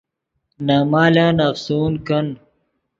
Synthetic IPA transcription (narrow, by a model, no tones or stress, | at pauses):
naːmaːlaːnɐfsuːnkɐn